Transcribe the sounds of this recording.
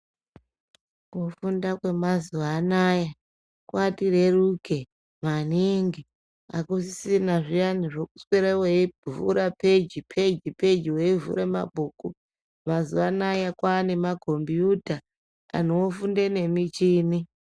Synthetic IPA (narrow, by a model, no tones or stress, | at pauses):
kufundakwe̞mazuʋanaja | kwatire̞ruke̞ | maniŋɡi | a̰kusi̥sinaʐijaniʐoku̥sweɾewebvṵɾape̞d͡ʒipʰed͡ʒipe̞d͡ʒiweivṵɾema̰bʱuːku | mazuʋanajakwanemaɡʱo̞mbijuta | ka̰n̤owofunde̞ne̞mit͡ʃiːni